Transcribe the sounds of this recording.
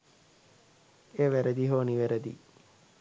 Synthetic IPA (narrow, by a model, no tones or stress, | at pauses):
eːʋæɾəd̪iɦoːniʋæɾəd̪ḭ